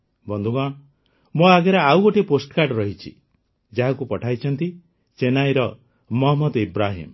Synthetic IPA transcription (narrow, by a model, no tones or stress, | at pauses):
bɔnd̪ʱuɡɔ̃ | moaɡeɾaawɡoʈiposʈkaɾɖɾɔɦit͡ʃʰḭ | d͡ʒaɦakupɔʈʰajt͡ʃʰɔnt̪i | t͡ʃenajɾɔ | mɔɦɔmɔd̪ibɾaɦḭm